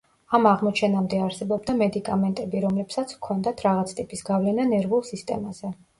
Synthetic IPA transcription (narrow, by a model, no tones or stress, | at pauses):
amaʁmɔt͡ʃʰɛnamd̪ɛaɾsɛbɔbd̪amɛd̪ikʼamɛnt̪ʼɛbiɾɔmlɛpsat̪sʰkʰɔnd̪at̪ʰɾaʁat̪sʰt̪ʼipʼisɡavlɛnanɛɾvulˠsist̪ʼɛ̰maz̥ɛ